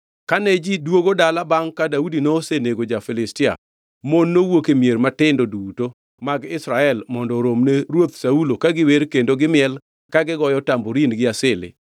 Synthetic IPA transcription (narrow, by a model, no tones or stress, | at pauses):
kanɛd͡ʒidwoɡodalabaŋkadaudinoseneɡod͡ʒafɪlɪstɪa̰ | monːowokemjeɾmatɪndoduto | maɡɪsɾaɛlmɔndɔɾomneɾwot̪saulokaɡɪweɾkendoɡɪmɪɛl | kaɡɪɡɔjɔtamboɾinɡɪasɪlɪ̰